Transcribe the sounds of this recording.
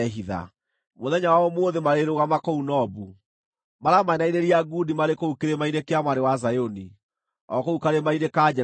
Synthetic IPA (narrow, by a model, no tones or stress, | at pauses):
ɦiða̰ | moðɛɲawaɔmoːðemaɾeɾoɣamakɔunɔbu | maɾamaɛnaiɾeɾiaɡudimaɾekoukeɾemaiɾekeamwaɾewazajoni | ɔkoukaɾemainekad͡ʒɛ